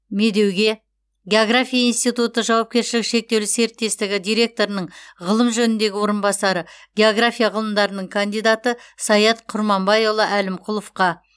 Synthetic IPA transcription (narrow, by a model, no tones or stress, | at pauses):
me̞d̪e̞wɡʲe̞ | ɡʲe̞o̞ɡrafʲijainst̪ijt̪ut̪əʒɑwɑp̚kʲe̞ɾʃɪlɪkʃe̞k̚t̪ewlɪse̞ɾt̪ːe̞st̪ɪɡʲɪd̪ʲijɾe̞k̚t̪o̞ɾənəɴʁəlˠəmʒɵnɪnd̪e̞ɡʲɪwo̞ɾənbɑsɑɾəɡʲe̞o̞ɡrafʲijɑʁəlˠəmd̪ɑɾənəɴkʰand̪ijd̪at̪əsɑjɑt̪qʰʊɾmɑmbɑjolˠəʔælɪmqʰʊlˠofqɑ